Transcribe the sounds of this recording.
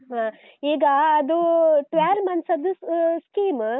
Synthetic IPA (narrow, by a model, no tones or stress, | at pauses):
ɦãː | iːɡɐːd̪uʈʋeːlmɐnsɐd̪uskiːm